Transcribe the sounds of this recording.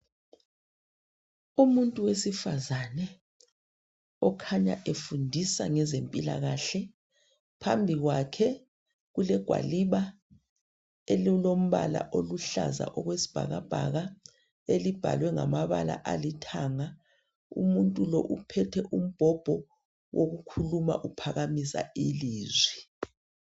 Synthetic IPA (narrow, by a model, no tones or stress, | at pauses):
umuntʼuwesifazanɛ | ɔkʰaɲa̰ʔefundʱisa̰ŋɛzempʼila̰ɣaɬɛ | pʰambʱiɣwakʰɛ | ɣulɛɡ̥ʱwa̰liβa | ellom̩βala̰ʔoluɬa̰za̰ʔɔɣwesi̥b̥ʱa̰ɣab̥ʱaɣa | elib̥ʱa̰lwɛŋamaβa̰la̰ʔalitʰaŋa | ṵmuntʼulɔ̰ʔupʰɛtʰɛʔum̩b̥ʱɔb̥ʱɔ | wʔoɣukʰuluma̰ʔupʰaɣamisa̰iliːzwi